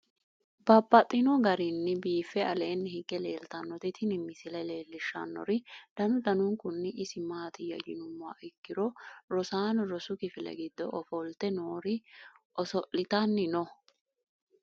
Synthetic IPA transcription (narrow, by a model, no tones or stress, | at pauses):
bɐbːɐt̪ʼːɪnɔɡɐɾɪnːɪbiːfːɛɐle̞ːnːɪhɪɡːɛleːlt̪ɐnːɔt̪ɪt̪ʰɪnɪmːɪsɪlɐle̞ːlːɪʃːɐ̰nːɔ̰ɾɪd̪̥ɐnʊd̪ɐnʊŋkʊnːɪʔɪsɪmaːt̪ɪjɐ̰jɪnʊmːʊa̰ːʔɪkːɪɾɔɾɔsaːnɾɔsʊkɪfɪlɛ̰ɡɪd̪ːɔʔɔfɔlt̪ɛnoːɾɪ | ɔsɔʔɪt̪ɐnːɪnɔ